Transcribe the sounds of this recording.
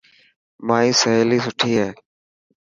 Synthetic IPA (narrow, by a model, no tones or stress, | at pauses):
maːĩːsəɦeːliːsʊʈʰiːɦeː